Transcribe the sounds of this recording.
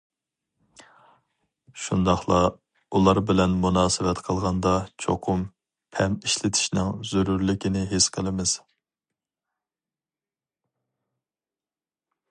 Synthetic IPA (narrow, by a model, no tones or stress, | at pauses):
ʃund̪ɑχlˠɑ | ulˠɑɾbɪlɛnmunɑːsɨwɛt̪qʰəlˠʁɑnd̪ɑt͡ʃʰo̰qʰʊm | pʰɛmiʃlɪt̪ʰɪ̥ʃnɪŋzuɾuɾlɪkʲinɪɦesqʰəlˠɨmɪz̥